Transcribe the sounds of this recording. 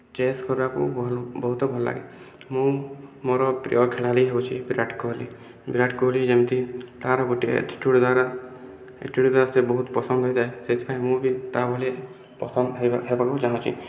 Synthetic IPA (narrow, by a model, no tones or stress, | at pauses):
t͡ʃeskɔɾbakṵbɔɦut̪ɔbʱɔlɔla̰ɡḛ | mũmoɾɔpɾḭjɔkʰelaliɦebot͡ʃʰibiɾaʈkɔɦlḭ | biɾaʈkɔɦolid͡ʒemt̪it̪aɾɔɡoʈiḛʈʈuɽd̪waɾa | ḛʈuɽd̪waɾasebɔɦut̪pɔsɔnd̪ʱɦɔjd͡ʒaeset̪ʰi̥pʰaĩmũbit̪abʱɔle | pɔsɔnd̪ɦɦebakud͡ʒaɦãt͡ʃʰḭ